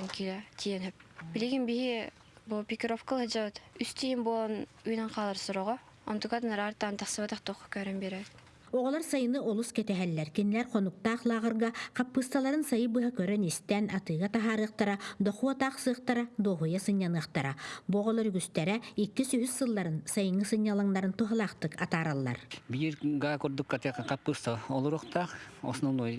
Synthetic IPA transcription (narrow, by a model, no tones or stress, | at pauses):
ŋkilɛt̪ʰiɛnɦœp̚bilʲiɡinbiɦi | bulˠpʲikʲiɾɔfkalˠhɯd͡ʒabɯt̪yst̪iɦimbulˠɔnyjnɛŋqʰaːlˠaɾsɔɾɔʁɔ | ɔ̰nt̪ukad̪ɯnaɾaːɾt̪ant̪aχsɯβat̪aχt̪ɔχkœɾœnbiɾɛt̪ | ɔʁɔlˠaɾsajɯnɯʔɔlˠuskɛt̪ɛɦɛlːɛɾkinilɛɾχɔnuk̚t̪aːχlˠaːʁɯɾɡaqapːɯst̪alˠaɾɯnsajɯbɯɦakœɾœnist̪ɛnat̪ɯːɡat̪aɦaːɾɯːqt̪aɾad̪ɔχuɔt̪aːχsɯːqt̪aɾad̪ɔːɦujasɯɲːanɯɐχt̪aɾabɔʁɔlˠɔɾyɡyst̪ɛɾɛikːisyɦysːɯlˠːaɾɯnsajɯŋɯsɯɲːalˠaŋnaɾɯnt̪uɦalˠaːχt̪ɯkat̪aːɾalˠːa̰ɾbiɾɡaːkɔɾd̪ukːat̪jqːqapːɯst̪aɔlˠuɾuqt̪aqɔ̰snunuj